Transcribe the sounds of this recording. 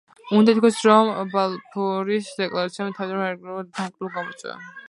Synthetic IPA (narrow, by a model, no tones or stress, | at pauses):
und̪ait̪̚kʰɔsɾɔmbalˠpʰɔɾisd̪ɛkʼlˠaɾat̪siamɛt̪ʰavid̪ɔɾmaɾɾd̪ʰaŋkʼɾulˠɡamɔt̪sʼwɛ̰va̰